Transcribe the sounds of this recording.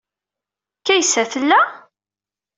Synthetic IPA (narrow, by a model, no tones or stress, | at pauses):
kːæjsːæθəlːæ